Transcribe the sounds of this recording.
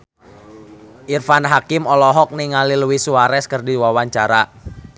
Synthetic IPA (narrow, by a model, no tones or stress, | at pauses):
ʔirfanɦakɪmɔlɔɦɔk̚niŋaliluwisuaɾɛskərdiwawaɲt͡ʃaɾa